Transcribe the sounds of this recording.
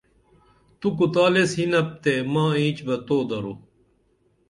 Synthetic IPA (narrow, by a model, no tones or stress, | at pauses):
t̪ukut̪aːlesɦinɐp̚t̪emãːĩːt͡ɕbɐt̪oːd̪ɐɾo